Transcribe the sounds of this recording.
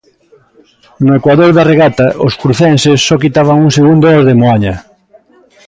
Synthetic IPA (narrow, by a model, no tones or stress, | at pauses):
nʊekwaðoɾðareɣat̪ɐʔoskɾuθɛnsesːɔkit̪aβ̞aŋuŋseɣund̪oɔzðemoaɲa